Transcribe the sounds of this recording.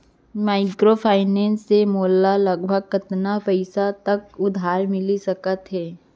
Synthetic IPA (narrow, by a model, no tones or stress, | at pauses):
maːɪkɾopʰaːɪnɛ̃ːnsːemoːlːalɐɡbʱəɡkɪt̪napəɪsat̪ɐkʊd̪ʱaːɾmɪlisɐkət̪ɦɛː